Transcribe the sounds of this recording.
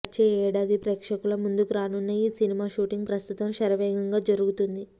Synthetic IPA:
t͡ʃːeːɛːɽaːd̪ipɾeːkʂɐkulɐmund̪ukuɾaːnunːɐiːsinimaːʃuːʈiŋɡ̚pɾɐst̪ut̪ɐmʃɐɾɐʋɛːɡɐŋɡaːd͡ʒɐɾuɡut̪und̪i

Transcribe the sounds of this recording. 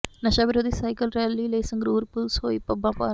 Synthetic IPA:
nɐʃaːʋɪɾoːd̪ʱiːsaːjkəlɾɛːliːleːsɐŋɡɾuːɾpʊlsɦoːipɐbãːpa̰ː

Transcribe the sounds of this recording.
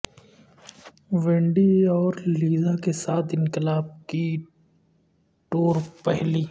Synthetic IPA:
ʋẽɳɖiɔːɾliːzakesaːt̪ʰɪ̃nkɪlaːb̚ki | ʈoːɾpɛɦliː

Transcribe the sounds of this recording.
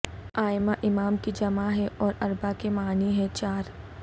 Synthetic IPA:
aːɪmaʔɪmaːmkid͡ʒɐmaɦɛʔɔːɾɐɾbakemaːniɦɛ̃t͡ʃaːɾ

